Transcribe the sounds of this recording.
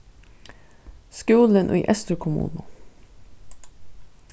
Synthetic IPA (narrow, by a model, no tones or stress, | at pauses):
skʉːlənʔḭːʔɛst̪əkʰʊmṵːnə